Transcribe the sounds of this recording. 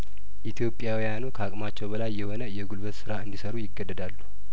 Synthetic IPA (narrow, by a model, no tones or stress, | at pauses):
ʔit̪ʰjo̞pʼːjawijanukʰakʼmat͡ʃːɛwbəlajːɛho̞nəjɛɡulbət̪sɨɾaɨnd̪isəɾujɪɡːəd̪ːəd̪alːu